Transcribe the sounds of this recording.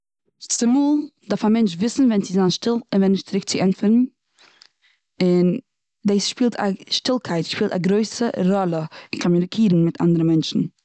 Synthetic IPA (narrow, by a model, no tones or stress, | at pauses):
ɪt͡sɪmuːlˠdaɾfamɛnt͡ʃvɪsn̩vɛnt͡sɪzaːnʃtɪlˠɪnvɛnːɪʃtt͡sɪɾɪk̚t͡sɪɛnfəɾn̩ | ɪn | deːsʃpiːlˠtʰa̰ʃtɪlˠkʰaɪtʃpiːlˠta̰ɡɾoɪsəɾɔlˠəɪnkʰɔmunɪkʰiːɾn̩mɪta̰ndəɾəmɛnt͡ʃn̩